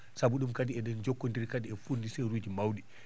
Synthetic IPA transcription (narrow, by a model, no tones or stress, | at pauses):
sabuɗumkadiɛɗɛnd͡ʒɔkːondiɾkadiɛfundisɛjɾud͡ʒimawɗi